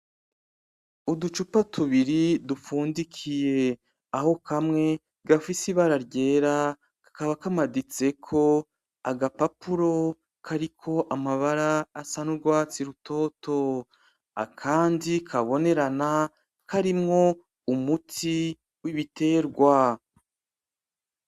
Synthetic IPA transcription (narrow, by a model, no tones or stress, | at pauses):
udut͡ʃupatuβiɾidufuːndikʰije̞ | aho̞kamŋe̞ | ɡafisiβaɾaɾɟe̞ːɾa | kḁkaβakamadit͡se̞kʰo̞ | aɡapapuɾo̞ | kʰaɾikʰo̞ʔamaβaɾaːsanuɾɡwaːt͡siɾutʰo̞ːtʰo̞ | a̰kʰaːndikʰaβo̞ne̞ɾana | kʰaɾimŋo̞ | umutʰi | wiβite̞ːɾɡwa